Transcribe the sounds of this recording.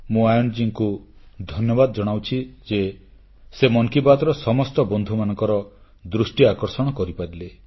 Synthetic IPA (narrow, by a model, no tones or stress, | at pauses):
mũajɔnd͡ʒiŋkud̪ʱɔnjɔbad̪ɔd͡ʒɔɽ̃awt͡ʃʰid͡ʒe | semɔŋkipat̪ɔɾɔsɔmɔstɔbɔnd̪ʱumanɔ̃ŋkɔɾɔ | d̪ɾusʈiakɔɾsɔɽ̃ɔkɔɾipaɾile